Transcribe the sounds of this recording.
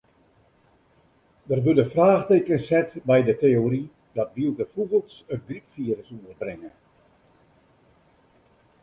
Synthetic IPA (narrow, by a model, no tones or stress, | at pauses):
dərʋødəfraːxtejkənshɛtbɛjdəteoɾi | dɔtʋilˠdəfubəlˠtsət̚ɡripfiəɾəsunərbrɪŋə